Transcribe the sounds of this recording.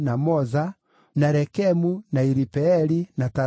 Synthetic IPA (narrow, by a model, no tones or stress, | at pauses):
namɔza | naɾɛkɛmunaiɾipɛɛɾinata